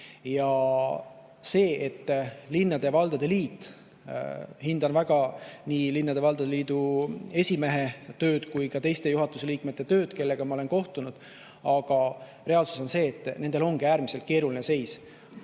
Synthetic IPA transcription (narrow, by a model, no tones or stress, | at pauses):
jɑ | se̞ːʔet̪ːlinːɑd̪̥e̞vɑld̪̥ɑd̪e̞liːt̪ːˑ | hind̪̥ɑnvæɡ̥ɑniːlinːɑd̪e̞vɑld̪̥ɑd̪eliːd̪̥ue̞sʲime̞ɦe̞t̪ø̞ːd̪̥kujkɑt̪e̞jst̪e̞juɦɑt̪ːˑuseliːkme̞t̪ːe̞t̪ø̞ːd̪̥ke̞lːe̞ɡ̥ɑmɑo̞lenko̞ht̪unud̪̥ | ɑɡ̥ɑ | ɾe̞ɑlsu̥so̞nse̞ːt̪ːˑne̞nd̪e̞lo̞ŋɡiæːɾmiselt̪̚ke̞ːɾuline̞se̞js